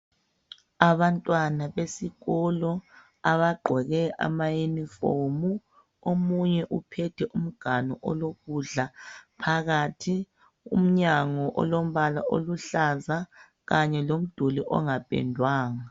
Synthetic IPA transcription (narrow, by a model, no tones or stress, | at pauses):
aβantʼwanaβesiɣɔlɔ | aβaɡ͡ǃʱɔɣɛʔa̰majunifomu | omuɲɛʔupʰɛtʰɛʔum̩ɡ̥ʱanɔ̰ʔɔloɣuɮapʰaɣatʰi | ṵm̩ɲaŋɔʔɔ̰lom̩βala̰ʔo̰luɬaza | ɣaɲɛlom̩d̥ʱuliʔɔ̰ŋapʼɛ̰ndʱwaːŋa